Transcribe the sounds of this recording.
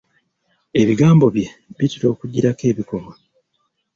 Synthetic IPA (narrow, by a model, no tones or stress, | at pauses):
e̞βiɡaːmbo̞βje̞βitiɾo̞ːkuɟiɾake̞ːβiko̞ma